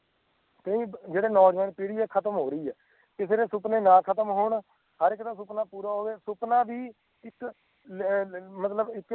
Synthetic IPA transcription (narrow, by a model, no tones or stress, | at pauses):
t̪əĩːd͡ʒeːɽeːnɔːd͡ʒʋɛːnpiːɽiːɛːkʰət̪əmɦoːɾəiːɛː | kɪseːɾeːsʊpneːnãːkʰət̪əmɦoːɳ | həɾɪkt̪ãːsʊpnaːpuːɾaːɦoːeːsʊpnãːbiː | ɪk | mət̪ləbɪk